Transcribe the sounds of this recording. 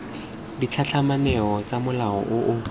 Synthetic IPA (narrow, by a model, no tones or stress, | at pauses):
dit͡ɬʰat͡ɬʰamanɛɔt͡samʊlaɔʔʊʔʊ